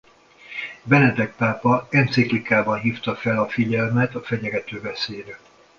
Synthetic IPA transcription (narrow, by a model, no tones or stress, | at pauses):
bɛnɛd̪ɛk̚paːpɒɛnt̪siklikaːbɒnɦiːft̪ɒfɛlɒfiɟɛlmɛt̪ɒfɛɟɛɡɛt̪øːvɛseːɾɛ